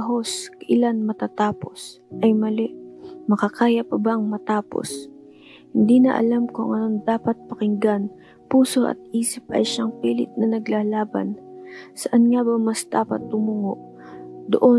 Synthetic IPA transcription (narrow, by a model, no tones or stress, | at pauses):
ɐɦo̞skɐʔɪlanmɐt̪at̪aːpo̞s | ʔɐjmɐlɪmɐkɐkaːjɐpɐbaŋmɐt̪aːpo̞̰s | hɪnd̪iːnɐ̰ʔɐ̰lamkʊŋɐno̞nd̪aːpɐt̪̚pɐkɪŋɡan | puːso̞ʔɐ̰t̪̚iːsɪp̚ʔɐ̰jʃaŋpiːlɪt̪̚nɐnɐɡlaːlaːbɐ̰nsɐʔɐnŋabɐmɐsd̪̥aːpɐ̰t̪̚ːʊmʊŋoʔ | d̪o̰ʔo